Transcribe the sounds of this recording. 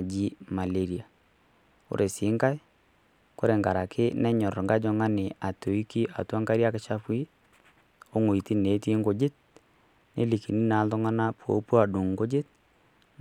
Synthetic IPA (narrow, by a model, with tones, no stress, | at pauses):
d͡ʒi˦ma˨le˨ɾi˨a˨ | o̰˦ɾʔe˨sɪ˨˦ŋka˦j | ko˦ɾe˨ŋɡa˨ɾa˨kʰɪ˦nɛ˦ɲɔ˨ɾɔ˨ŋɡa˦d͡ʒɔ˦ŋa˦nɪ˨a˨to˨i˦ki˦ʔa̰˨twa˦ŋɡa˦ɾja˦kɪ˦t͡ʃa˦pwi˦ | o˦ŋo˨i˨ti˦ne˨˦ti˦ŋɡo˨d͡ʒe˦t̚ | nḛ˦li˨ki˨ni˦na˨˦ldɔ˦ŋa˦na˦pwo̰˨˦pu˦a˨ɗu˨ŋɡo˦d͡ʒe˦t̚